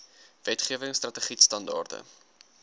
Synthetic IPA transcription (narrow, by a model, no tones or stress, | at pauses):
vɛtχiəvəŋstrɐtəχitstɐndɑ̰ːrtə̰